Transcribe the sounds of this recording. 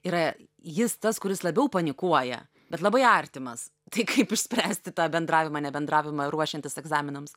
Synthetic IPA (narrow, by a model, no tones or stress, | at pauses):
ɪɾɐ | jɪst̪ɐskʊɾʲɪslˠɐbʲɛʊpɐnʲɪkuɔjɛ̰ | bʲɛt̪lˠɐbɐɪɐrʲt̪ʲɪmɐs | t̪ɐɪkɐɪpɪʃʲsʲpʲɾʲæːsʲt̪ʲɪt̪ɑːbʲɛnd̪ɾɑːʋʲɪmɐnʲɛbʲɛnd̪ɾɑːʋʲɪmɐɾuɔʃʲɪɛnʲt̪ʲɪsɛɡzɑːmʲɪnɐms